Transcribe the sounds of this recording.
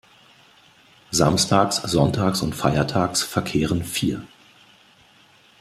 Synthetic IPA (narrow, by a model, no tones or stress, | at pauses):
zamstʰaːksz̥ɔntʰaːksʊ̰ntfaɪɐtʰaːksfɛɐkʰeːʁənfiːɐ